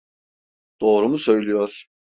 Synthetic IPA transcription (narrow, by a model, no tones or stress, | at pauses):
d̪̥o̞ːɾumusø̞jlʲijoɾ̥